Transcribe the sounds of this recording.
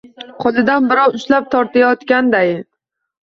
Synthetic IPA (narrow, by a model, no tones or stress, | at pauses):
qʰɒlˠɪd̪anbɪɾɒwʊʃlap̚t̪ʰɒɾt̪ʰajɒt̪kʲand̪aj